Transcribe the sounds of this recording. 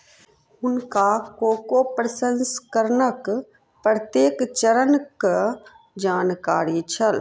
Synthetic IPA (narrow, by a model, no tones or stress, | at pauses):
ʊnkakoːkopɾəsə̃nskəɾnək | pɾət̪jeːkt͡ʃəɾənk | d͡ʒaːnkaːɾit͡ʃʰɐl